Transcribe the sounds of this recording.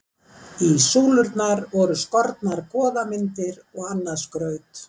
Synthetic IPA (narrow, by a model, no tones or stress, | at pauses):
isuːlʏɾt̪naɾvɔɾʏskɔɾt̪naɾkʰɔːðamɪnt̪ɪɾɔɣanːaɾskɾœːɥt̪